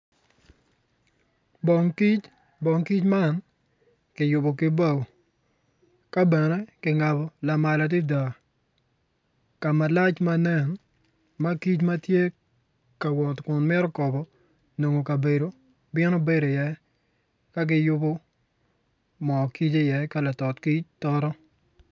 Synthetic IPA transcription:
bɔ˨ŋki˦t͡ʃ | bɔ˨ŋki˦t͡ʃma˦n | kɪ˨jʊ˨bo˨kɪ˦ba˦˨w | ka˦bɛ˨nɛ˦kɪ˨ŋa˨bɔ˨la˨ma˨la˨t̬i˦da˨ | ka˨ma˨la˦t͡ʃma˦nɛ˦˨n | ma˦ki˦t͡ʃma˦tje˦ | ka˨wɔ˨tkʊ˨nmɛ˦ɾɔ˦kɔ˨bɔ˦ | no˨ŋo˨ka˨be˨do˨ | bɪ˦nɔ˦be˦do˨jɛ˨ | ka˦ɡɪ˦jʊ˦bɔ˦ | mɔ˨ki˦t͡ʃe˦jɛ˨ka˦la˨tɔ˨tki˦t͡ʃtɔ˦ɾɔ˦

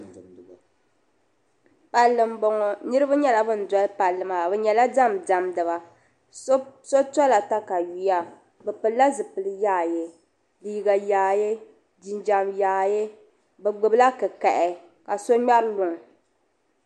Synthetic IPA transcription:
pa˨lːɨ˨mbɔ˨ŋɔ˨nɨ˦ɾɨ˦ba˦ɲɛ˦la˨bɨ˦n̩˨dɔ˦lpa˨lːɨ˨ma˨bɛ˨ɲɛ˨la˦da˦mda˨mdɨ˨βa˨ | so˦ta˦la˨ta˦ka˨ɥi˨˦ja˦ | bɛ˨pɨ˨lla˦zɨ˨pɨ˨lɨ˦jaː˦˨je˦ | liː˨˦ɡa˨jaː˨˦je˦ | di˨nd͡ʒa˨mjaː˨˦je˦ | bɛ˨ɡ͡bɨ˨bɨ˦la˦kɨ˨kɛ˨ʔɛ˨ | ka˨so˦ɲa˦ɾlʊ˨ŋ˨

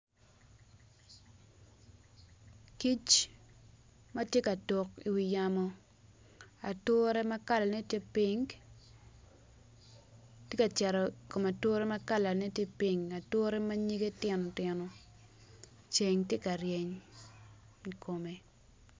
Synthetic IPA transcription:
ki˦t͡ʃ | ma˦tje˦ka˨to˨ki˨wi˨ja˨mɔ˦ | a˨tʊ˦ɾɛ˦ma˦ka˦la˨ne˦tje˦pi˦ŋ | tje˦ka˨t͡ʃɛ˨ɾɔ˨ko˨ma˨tʊ˦ɾɛ˦ma˦ka˦la˨ne˦tje˦pi˦ŋa˨tʊ˦ɾɛ˦ma˦ɲi˦ɡe˦tjɪ˦nɔ˨tɪ˦nɔ˨ | t͡ʃe˨ŋtje˦ka˨ɾje˨ɲ | i˨ko˨me˨

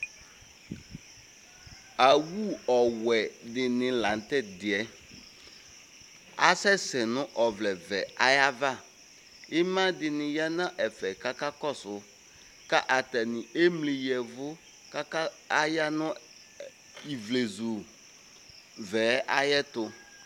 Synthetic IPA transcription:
a˨wu˦ɔ˨wɛ˨dɪ˨nɪ̃˨lã˨n˨˦t̪ɛ˦dɪ˨ɛ˨ | a̰˦sɛ˦sɛ˨nʊ̃˦ʔɔ˨vlɛ˨vɛ˨a˨ja˦va˦˨ | ɪ˦mã˦dɪ˨nɪ̃˨ja˦nã˦ʔɛ˨fɛ˨ka˦ka˦kɔ˦˨sʊ˨˦ | ka˦ʔa˨t̪ɛ˨nɪ̃˨e˦mli˨jɛ˨vʊ˦ | ka˦ka˦ | a˦ja˦nʊ̃˦ | i˨vle˨zu˨ | vɛ˨˦ʔa˦jɛ˦t̪ʊ˨

